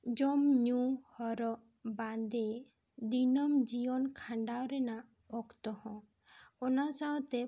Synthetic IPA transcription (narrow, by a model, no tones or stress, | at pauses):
d͡ʒɔmɲuhɔɾɔ | bad̪e | d̪inɔmd͡ʒiɔnkʰãɳɖawɾɛna | ɔkt̪ɔhɔ̃ | ɔnasawt̪ɛ